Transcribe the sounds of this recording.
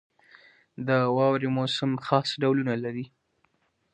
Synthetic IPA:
d̪əwɑwɾemosɪmxɑsɖawlunalaɾi

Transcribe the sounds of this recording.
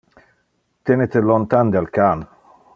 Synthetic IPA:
t̪enet̪elɔnt̪and̪alkan

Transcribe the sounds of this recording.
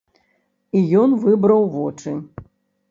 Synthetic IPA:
ijɔnvɨbɾɐwvɔt͡ʂɨ

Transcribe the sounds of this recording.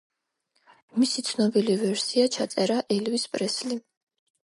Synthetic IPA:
misit̪sʰnɔbilivɛɾsiat͡ʃʰat̪sʼɛɾaʔɛlvispʼɾɛsli

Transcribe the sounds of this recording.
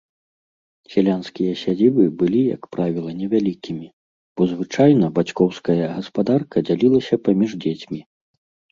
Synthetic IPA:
sʲɛlʲanskʲijɐsʲad͡zʲibɨbɨlʲijɐ̰kpɾavʲilˠɐnʲɛvʲalʲikʲimʲi | b̥ɔzvɨt͡ʂajnɐbat͡sʲkɔwskɐjɐɣɐspad̪arkɐd͡zʲalʲilˠɐsʲɐpamʲiʐd͡zʲet͡sʲmʲi

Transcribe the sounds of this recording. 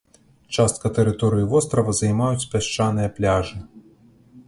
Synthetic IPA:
t͡ʂast̪̚kɐt̪ɛɾɨt̪ɔɾɨjivɔst̪ɾɐvɐzɐjmajut͡sʲpʲaʂt͡ʂanɨjɐplʲaʐɨ

